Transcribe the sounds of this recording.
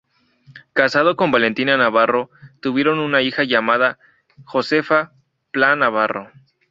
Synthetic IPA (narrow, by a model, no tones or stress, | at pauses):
kasað̞o̞ko̞mbale̞nt̪inanaβaro̞t̪uβje̞ɾo̞nunaixaʝamaða | xo̞se̞fa | planaβaro